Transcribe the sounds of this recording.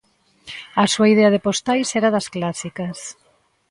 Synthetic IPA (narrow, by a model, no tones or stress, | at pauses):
ɐsuaiðeɐðepost̪ajsɛɾaðɐsklasikɐs